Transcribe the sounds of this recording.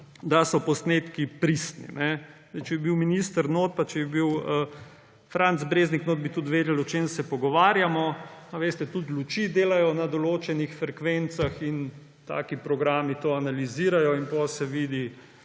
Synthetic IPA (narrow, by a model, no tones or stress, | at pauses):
d̪asɔpɔsnet̪kipɾist̪nḭnɛ | ɛt͡ʃɛbɛbiwminist̪əɾnoːt̪̚pat͡ʃɛbɛbiwə | fɾant̪zbɾeːzniknod̪̚bit̪ut̪ʋeːd̪ɛlɔt͡ʃeːmsɛpɔɡɔʋaːɾjamɔaʋest̪ɛt̪ut̪lut͡ʃiːd̪eːlajɔnad̪ɔloːt͡ʃɛnixfɾɛkʋent̪saxin | t̪a̰ːkipɾɔɡɾaːmit̪oːanaliziːɾajɔinpɔsɛʋiːd̪i